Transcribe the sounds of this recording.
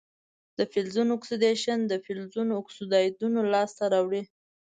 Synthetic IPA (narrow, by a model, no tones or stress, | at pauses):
d̪̥əfɪlzunʊksud̪eʃənd̪əfɪlzunoʊksud̪ɑjd̪unolɑst̪aɾɑwɽi